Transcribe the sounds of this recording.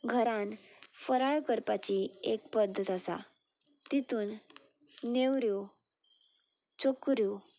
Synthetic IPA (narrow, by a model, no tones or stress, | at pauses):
ɡʱəɾãnfəɾaɭkəɾpat͡ɕiek̚pəd̪ʱːət̪əsa̰ | t̪it̪uːnː | eʋɾjo | t͡ɕokɾjo